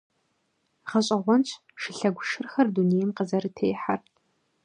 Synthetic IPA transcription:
ʁɐɕʼɐʁʷɔnt͡ɕʰ | ʃɪɬɐɡʷʊʃɨrxɐrdunejmqəzɐɾɨtʰeːjħar

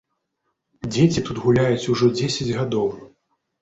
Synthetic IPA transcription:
d͡zʲet͡sʲit̪ut̪ɣulʲajut͡sʲuʐɔd͡zʲesʲɐd͡zʲɣad̪ɔw

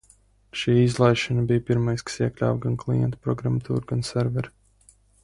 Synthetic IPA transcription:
ʃiːizlˠajʃanabijpiɾmajskḁsiɛklʲa̰ːwɡanklˠḭjɛ̰nt̪pɾɔɡɾamat̪ʰuːɾɡansɛɾvɛɾ

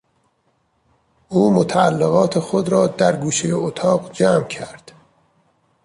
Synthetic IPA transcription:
ʔuːmot̪ʰæælːeɣɒːt̪ʰexod̪ɾɒːd̪æɾɡuːʃejeot̪ʰɒːɣd͡ʒæːmcʰæɾd̪̥

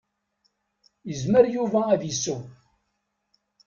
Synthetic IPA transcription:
jəzməɾjuvæːðjəsːu

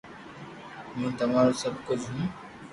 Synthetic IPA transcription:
mẽːt̪ɐmaːɾosəb̚kʊd͡ʒɦũː

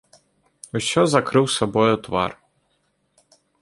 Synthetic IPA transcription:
uɕɔzɐkɾɪwsɔbɔjʊt̪ʋɑ̰r

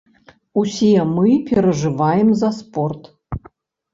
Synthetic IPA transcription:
usʲiɛmɨpʲɛɾɐʐɨvajɛmzɐspɔrt̪

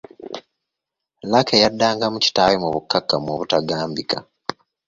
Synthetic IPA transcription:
lakʰejadːaːŋɡamuci̥tawemuβukːakːamwoβutaɡaːmbika

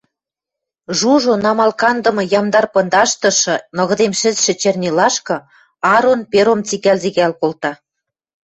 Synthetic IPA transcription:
ʒuʒonɑmɑlkɑnd̪ɤ̆mɤ̆jɑmd̪ɑrpɤ̆nd̪ɑʃt̪ɤ̆ʃɤ̆nɤ̆ɣɤ̆d̪emʃɘ̆zʃɘ̆t͡ɕernʲilɑʃkɤ̆ | ɑɾonpeɾomt͡siɣælziɣælkolt̪ɑ

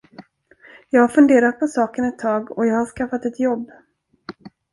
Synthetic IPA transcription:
jɑːɡhaɾfɵnd̪eːɾat̪̚pʰɔsɑːkənɛt̪ʰːɑːɡɔjɑːɡhaʂkafat̪ɛt̪jɔbː

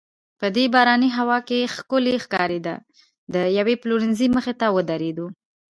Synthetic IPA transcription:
pəd̪ebɑɾɑniɦawɑkexkʊlexkɑɾed̪a̰ | d̪əjawepluɾɪnziməxet̪awəd̪aɾed̪u

